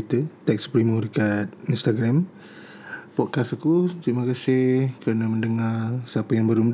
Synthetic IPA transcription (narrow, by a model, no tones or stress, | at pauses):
t̪ət̪ɛkspɾimədəkat̪̚inst̪aɡɾam | pɔʔ̚kasəkut̪ɾimakasɪhhkənəmə̃ndəŋarsəapəjaŋbəɾum